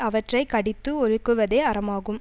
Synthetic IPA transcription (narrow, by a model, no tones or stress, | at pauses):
ɐʋɐʈrɐɪkɐɽɪt̪ːɯɔɻɯkːɯʋɐðeːɐɾɐmaːɣɯm